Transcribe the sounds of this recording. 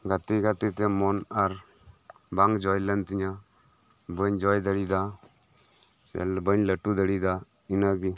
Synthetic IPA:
ɡʱat̪iɡat̪it̪ɛmɔnaɾ | baŋɡd͡ʒɔjlənt̪iɲa | bəɲd͡ʒɔjd̪əɽid̪a | sɛ̰lbəɲləʈːud̪əɽid̪a | inaɡi

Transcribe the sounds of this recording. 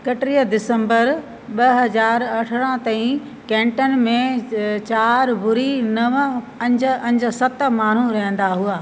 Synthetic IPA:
kɐʈɾiːəd̪ɪsə̃mbəɾ | ɓɐɦɐzaːɾɐʈʰəɾ̃ə̃t̪ɐ̃ɦĩ | kɛ̃ːɳʈən̆mẽt͡ɕaːɾbʊɾinɐʋ | ɐ̃ɲd͡ʑ̆ɐ̃ɲd͡ʑʊ̆sɐt̪maːn̤uɾɐɦə̃n̆d̪aɦuaː

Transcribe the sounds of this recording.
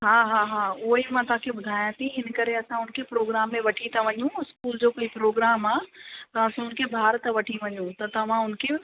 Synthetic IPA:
ɦaːɦaɦaːʊːimãt̪ɐɦãkʰebʊd̪ʱaːjãt̪iɦɪnkɐɾeɐsãʊnkʰepɾoːɡɾaːmːẽʋɐʈʰit̪aʋɐɲũɪskuːld͡ʑoːkoipɾoːɡɾaːmaːt̪ɐ̃ɐsãʊnkʰebʱaːɾt̪əʋɐʈʰiʋɐɲũt̪ɐt̪ɐʋ̤ãʊnkʰe

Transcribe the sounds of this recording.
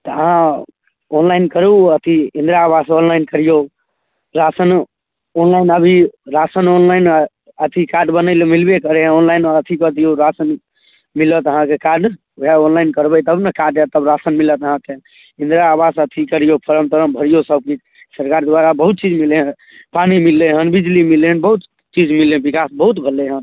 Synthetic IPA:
t̪ɔəɦã | onlajnkəɾuət̪ʰiĩnd̪ɾaːbasonlajnkəɾijo | ɾasən | onlainəbʱiɾasənonlajn | ət̪ʰikaɖbənəɪlmilbekəɾeɦẽonlajnət̪ʰikət̪ijoɾasən | milət̪əɦãkekaɾɖ | ɛonlajnkəɾbəjt̪əbnəkaɖet̪əbɾasənmilət̪əɦãke | ĩnd̪ɾaːbasət̪ʰikəɾijopʰəɾəmt̪əɾəmbʱəɾijosəb̚kit͡ʃ | səɾkaɾd̪waɾabəɦut̪̚t͡ʃid͡ʒmileɦə̃ | panimilːeɦənbid͡ʒlimileɦənbəɦut̪ | t͡ʃid͡ʒmilebikasbəɦut̪bʱəlːeɦən

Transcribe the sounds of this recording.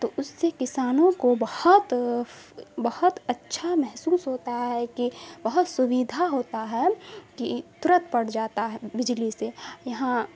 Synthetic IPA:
t̪oːʔʊsːekɪsaːnõkobɐhʊt̪ | bɐhʊt̪ɐtːʃʰamɛɦsuːsɦoːt̪aɦɛkibɐɦʊt̪sʊwiːd̪ʱaɦoːt̪aɦɛkit̪ʊɾət̪pɐɽ̤d͡ʒaːt̪aɦɛbɪd͡ʒlisejɐɦã

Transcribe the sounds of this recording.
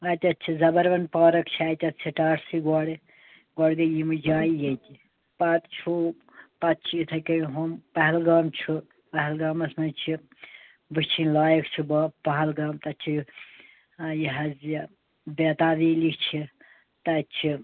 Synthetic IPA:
ɐt̪ʲɐtt͡ʃʰizɐbɐɾʋɐnpaːɾɐkt͡ʃʰiɐːt̪ʲɐt̪t͡ʃʰiʈaːʈsiɡɔɽi | ɡɔɽɡɐjimɨd͡ʒaːjjet̪ʲi | pɐt̪t͡ʃʰuː | pɐt̪̚t͡ʃʰiit̪ʰɐkɐɦompɐɦlɡaːmt͡ʃʰu | pɐɦɐlɡaːmɐsmɐnt͡ʃʰi | bɨt͡ʃʰinlaːjɐkt͡ʃʰibpɐɦɐlɡaːmt̪ɐt͡ʃʰi | jiɦɐz | beːt̪aːʋiːlikt͡ʃʰi | t̪ɐt͡ʃʰi

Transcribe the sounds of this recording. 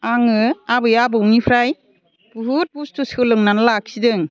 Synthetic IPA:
aŋɯabɯjabɯwnipʰɾaj | b̥uɦut̚bustusɯlɯŋnanlak̚sidɯŋ

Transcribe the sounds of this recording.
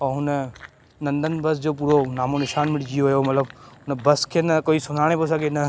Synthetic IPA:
ɔːɦʊnə | nɐ̃nd̪ʱənbɐsd͡ʑoːp̬uːɾonaːmonɪʃaːnmɪʈd͡ʑijoɦjomɐt̪ləbʊnəbɐskʰeːnɐkoːisʊn̤aːɽ̃eposaɡenɐ

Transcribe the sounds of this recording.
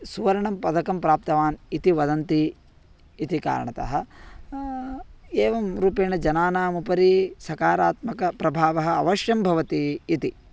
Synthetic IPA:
suʋɐɾɐɳɐmpɐd̪ɐkɐmpɾaːp̚t̪ɐʋaːnit̪iʋɐd̪ɐnt̪iː | t̪ika̰ːɾɐ̰ɳɐt̪ɐ̰ɦɐ̆ | eːʋɐmɾuːpeːɳɐd͡ʒɐnaːnaːmupɐɾisɐkaːɾaːt̪mɐkɐpɾɐbʱaːʋɐɦɐ̆ɐ̰ʋɐʃjɐmbʱɐʋɐt̪iːt̪i

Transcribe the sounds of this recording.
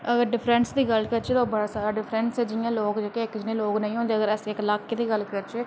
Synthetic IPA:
əɡəɾɖɪpʰɾɛ̃ɳsd̪iːɡəlkəɾt͡ʃeːt̪oːbəɽaːsaːɾaːɖɪpʰɾɛnsɛːd͡ʒɪjãːloːkd͡ʒekeɪkd͡ʒɪnẽːloːknə̃ĩːɦõːnd̪eːəɡəɾɛːseɪklaːkːeːd̪iːɡəlkəɾt͡ʃeː

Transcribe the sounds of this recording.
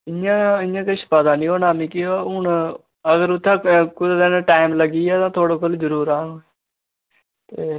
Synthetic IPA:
ɪãːɪãːkəʃpad̪aːnĩːɦoːnaːmĩːkioʊɳ | əɡəɾʊt̪ʰːãːkʊd̪d̪ẽːnãːʈaːɪmləɡiːɛːt̪ãːt̪ʰoːɽoːkʰəld͡ʒəɾuːɾaːnõːɛ | t̪eː

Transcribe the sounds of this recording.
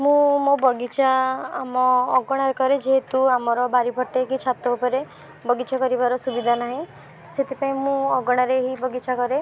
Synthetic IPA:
mũmõbɔɡit͡ʃʰaːmɔːɡɔɽ̃aɾekɔɾed͡ʒeɦet̪uamɔɾɔbaɾibʱɔʈekit͡ʃʰat̪ɔupɔɾe | bɔɡit͡ʃʰakɔɾibaɾɔsubid̪ʱanaɦĩ | set̪ipaĩmũɔɡɔɽ̃aɾeɦibɔɡit͡ʃʰakɔɾe

